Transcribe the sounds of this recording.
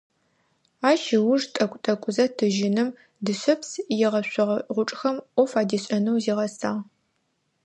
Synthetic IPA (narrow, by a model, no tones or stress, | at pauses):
aːʃɪwʊʐtʼɐkʷʼtʼɐkʷʼʊzɐtʰɨʒɪnɨm | dɨɕɐpsjɪʁɐɕʷʊʁɐʁʷʊʈ͡ʂʼxɐmʔʷɔfaːdiːɕʼɐnɐwziːʁɐsaː